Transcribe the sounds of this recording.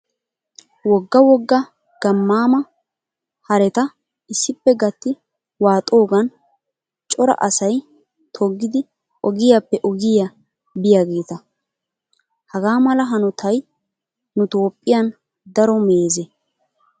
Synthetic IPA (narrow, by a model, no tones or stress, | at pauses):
wɔɡːɐwɔɡːɐ | ɡ̥ɐmːaːmɐ | hɐɾɛt̪ɐ | ɪsːɪpːɛɡɐt̪ːɪ | waːt̪ʼo̞ːɡɐn | t͡ʃʼɔɾɐ̰ʔɐsɐj | t̪ʰɔɡːɪd̪ɪ | ʔɔɡɪjɐpːɛʔɔɡɪjɐ | bɪjaɡeːt̪ɐ | hɐɡaːmɐlɐɦɐnʊt̪ʰɐj | nʊt̪o̞ːpʼːɪjɐn | d̪ɐɾɔme̞ːzɛ